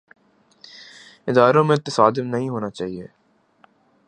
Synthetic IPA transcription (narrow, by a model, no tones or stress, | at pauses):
ɪd̪aːɾõmẽt̪ːɪsaːd̪ɪmnɐɦĩɦoːnat͡ʃaːɦieː